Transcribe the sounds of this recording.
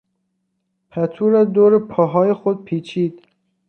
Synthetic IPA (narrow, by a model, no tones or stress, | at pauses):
pʰæt̪ʰuːɾæd̪oːɾepʰɒːɦɒːjexod̪̚pʰiːt͡ʃʰiːd̪̥